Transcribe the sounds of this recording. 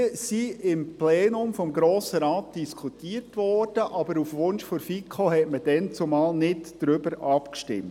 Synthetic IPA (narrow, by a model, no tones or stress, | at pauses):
əsiɪmplɛːnʊmfɔmɡɾoːsəɾɑːt̚d̥iskʰutiːərtʋɔrd̥əʔɑbəɾufʋʊnʃfoɾfikʰohɛtməd̥ɛnt͡sʊmɑːlnɪtd̥ɾʏbəɾʔɑpkʃtɪ̰mt